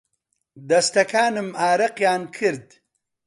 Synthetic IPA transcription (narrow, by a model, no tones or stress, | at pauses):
d̪ɐst̪ɐkʰaːnɨmaːɾɐqjaːnkʰɨɾd̪